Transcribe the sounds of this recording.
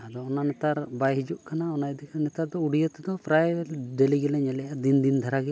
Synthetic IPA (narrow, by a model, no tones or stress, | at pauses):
ad̪ɔɔnanɛt̪aɾbajɦid͡ʒuʔkanaɔnajɛd̪ikʰnɛt̪aɾd̪ɔuɽijɛt̪ɛd̪ɔpʰɾajdɛliɡɛlɛɲɛlɛjad̪ind̪ind̪ʱaɾaɡɛ